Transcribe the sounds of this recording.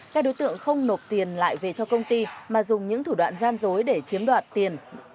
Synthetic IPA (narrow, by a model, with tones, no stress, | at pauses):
kaː˦˥k̚ɗo˨˦jt̪ɨ̰˧˨əŋxə˧wŋ͡mno˨˩t̚t̪i˨˩ənla̰ː˧˨jve˨˩t͡ɕɔ˧kə˧wŋ͡mt̪i˧maː˨˩zʊ˨˩ŋ͡mɲɨ̰˧˥ŋt̪ʰu˧˩ɗwa̰ː˧˨nzaː˧nzo˨˦jɗe˧˩t͡ɕi˨˦əmɗwaː˨˩t̚t̪i˨˩ən